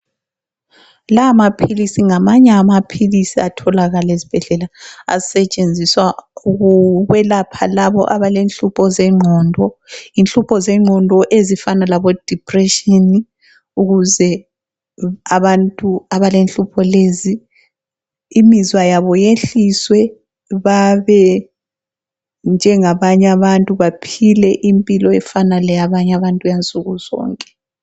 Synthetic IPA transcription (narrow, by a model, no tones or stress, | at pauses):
lamapʰilisiŋamaɲɛːmapʰilisiatʰɔlaɣalezi̥b̥ʱɛɮɛlaa̰isɛt͡ʃʼend͡zʱiswauɣuβɛlapʰalaβɔ̰ʔaβalenɬupʰɔzɛŋ͡ǃʱɔːndʱɔinɬʼupʰɔzɛŋ͡ǃʱɔndʱɔʔezifanalaβɔd̥ʱipʰʼrɛʃini | uɣuzɛ | aβantʼuaβalenɬʼupʰɔleːzi | mizwajaβɔjeɬiswɛ | βaβɛ | nd͡ʒʱɛŋaβaɲaβantʼuβapʰilɛʔimpʼilɔɛfanalɛjaβaɲaβantʼujant͡sʼuɣuzɔ̰ːŋkʼɛ̥